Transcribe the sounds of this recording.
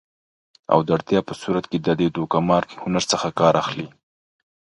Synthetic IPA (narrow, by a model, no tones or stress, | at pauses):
a̰wd̪əaɽt̪jɑpəsuɾat̪ked̪ɑd̪əjed̪okamɑɾhʊnaɾt͡səxakɑɾʔaxli